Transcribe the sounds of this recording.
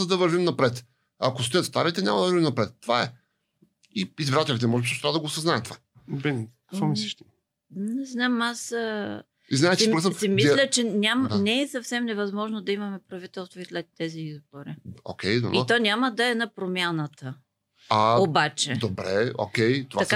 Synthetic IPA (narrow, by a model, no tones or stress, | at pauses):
d̪ɐvɐɾvimnɐpɾɛt̪ | ɐkost̪ojət̪st̪aɾit̪ɛɲʲamɐd̪ɐvəɾvimnɐpɾɛt̪ːovaɛ | iizvɾat̪ɛlʲit̪ɛmɔʒɛbisʃt̪vad̪əɡosɐznaɛt̪o̥va | bɛnkəkkvɔmislɛʃt̪i | nɛznamas | iznaɛt͡ʃiɾkəssimislʲət͡ʃɛnʲamnɛɛsɐfsɛmnɛvɐzmɔʒnod̪ɐimɐmɛpɾɐvit̪ɛlˠst̪voislɛt̪ːɛziizboɾḭo̰kʰʲɛjd̪o̰bit̪ɔnʲaməd̪ɐɛnɐpɾomʲjanət̪ə | aobat͡ʃɛd̪obɾɛ̰o̰kʲɛjt̪ovaɐa